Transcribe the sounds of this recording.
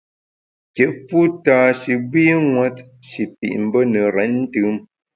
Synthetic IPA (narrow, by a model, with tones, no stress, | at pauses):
kɛ˨ʔfu˦ta˨ʃi˨bwi˦ŋwa˦t | ʃi˨pḭ˨ʔm̩˨˦bə˦nə˨ɾɛ˨˦n̩˦tɨ˨˦m